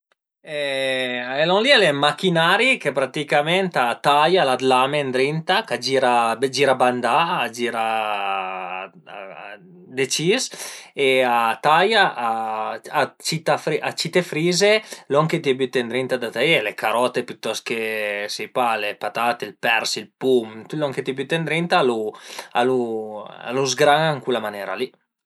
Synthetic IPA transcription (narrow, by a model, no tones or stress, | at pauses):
ɛ | ɛloŋlialemakinaːɾikepɾat̪ikamɛnt̪at̪ajalad̪lamend̪ɾint̪akad͡ʒiɾabd͡ʒiɾaband̪aːd͡ʒiɾa | d̪et͡ʃiseat̪ajaʔaat͡ʃit̪afɾiʔat͡ʃit̪efɾiːzeloaŋket̪iabyt̪end̪ɾint̪ad̪at̪aelekaɾɔt̪epyt̪ːɔskesejpalepat̪aːt̪eilpɛɾsilpumt̪ylaŋket̪iabyt̪ːend̪ɾint̪alua̰lua̰luzɡɾaŋŋkulamanɛːɾa̰li